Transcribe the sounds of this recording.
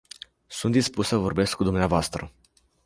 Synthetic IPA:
sunt̪d̪ispussəvo̞rbe̞skːud̪umneavoast̪ɾə

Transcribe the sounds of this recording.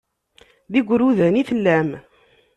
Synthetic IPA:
ðiɡʷɾuðæniθəlːæm

